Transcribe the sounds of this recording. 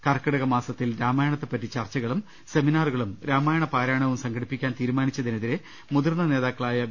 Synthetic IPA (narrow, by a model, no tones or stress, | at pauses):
kɐrkːɐɽɐɣɐmaːsɐt̪ːilɾaːmaːjɐɳɐt̪ːe̞pːɐtːit͡ɕɐrt͡ɕːɐɣɐɭum | se̞minaːruɣɐɭumɾaːmaːjɐɳɐpaːɾaːɳɐʋumsɐŋɡʰɐɽipːikʲːaːnt̪iːɾumaːnit͡ɕːɐðineðiɾe | muðɐrnɐne̞ːðaːkːɐɭaːjɐ